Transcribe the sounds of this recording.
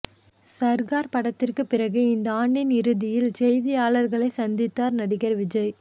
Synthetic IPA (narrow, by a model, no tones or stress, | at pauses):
sɐɾɣaːɾpɐɽɐt̪ːɪrkɯpːɪɾɐɣɯɪnd̪ɐaːɳɖɪnɪɾɯðɪjɪlsɛjðɪjaːɭɐɾɣɐɭɐɪsɐnd̪ɪt̪ːaːɾnɐɽɪɣɐɾʋɪd͡ʒɐɪ